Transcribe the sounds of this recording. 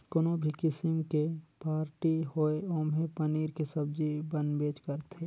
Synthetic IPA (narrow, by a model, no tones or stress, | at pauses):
konobʱikɪsɪmkepaːɾʈiɦoeoːmɦepəniːɾkesɐbd͡ʒibə̃nd̪beːt͡ʃkəɾt̪ʰe